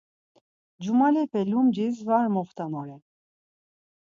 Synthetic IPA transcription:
d͡ʒumalɛpʰɛlumd͡ʒisvaɾmɔχt̪ʰanɔɾɛ

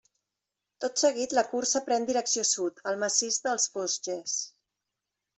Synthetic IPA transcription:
t̪ot̪səɣ̞it̪ləkursəpɾɛnd̪iɾəksiosut̪əlˠməsizd̪əlˠsfozʒes

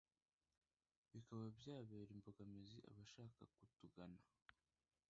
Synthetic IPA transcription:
βikaβabjaːβeːɾimbo̞ɡameziʔa̰βaʃaːka̰kutuɡana

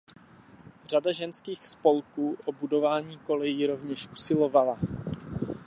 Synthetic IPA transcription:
r̝adaʒɛnskiːxspo̞lkuːʔobudo̞vaːɲiːko̞lɛjiːɾo̞vɲɛʃʔusɪlo̞vala

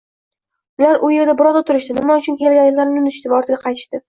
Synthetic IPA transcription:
ʊlaɾʔʊje̞ɾd̪abɪɾɒzat̪ʰʊɾɪʃt̪ɪnɪmaʊt͡ʃʰʊnkʲʰe̞lɡʲanjɪllaɾnɪʊnt̪ʰɪʃt̪ɪvaɒɾt̪ɪɡʲaqʰɑjt̪ʰɪ̥ʃt̪ɪ

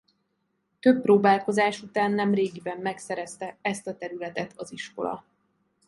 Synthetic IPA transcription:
t̪ø̞pːroːbaːlko̞zaːʃut̪aːnːɛmreːɡibɛmːɛksɛɾɛst̪ɛɛst̪ɒt̪ɛɾylɛt̪ɛt̪ʰɒziʃko̞̰lɒ̰

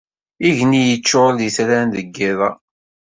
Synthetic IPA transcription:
iʝnijət͡ʃːoliθɾænðəɡːɪðˤɑ

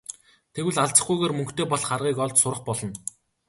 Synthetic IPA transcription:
t̪ʰewɘ̆ɮaɮt͡sə̥̆χɡujɣeːrmɵ̆ŋkt̪eːpɔɮχarʁiːkɔɮt̪sʊɾə̆χpɔɮɞ̆n

